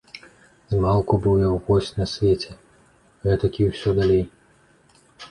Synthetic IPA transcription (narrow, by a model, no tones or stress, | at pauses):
zmalˠkubujʲɛwvɔsʲnɐsʲvʲet͡sʲɛ | ɣɛt̪ɐkʲiwsʲɔd̪alʲej